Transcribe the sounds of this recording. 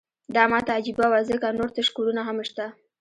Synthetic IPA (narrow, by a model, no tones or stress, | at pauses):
d̪ɑmɑt̪ad͡ʒibawazekanoɾt̪aʃkuɽunaɦamʃt̪a